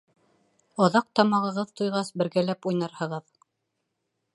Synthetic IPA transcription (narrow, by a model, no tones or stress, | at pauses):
ɑðɑq̚t̪ɑmɑʁɤ̆ʁɤðt̪ujʁɑsbɘ̆ɾɡælæpujnɑɾhɤ̆ʁɤð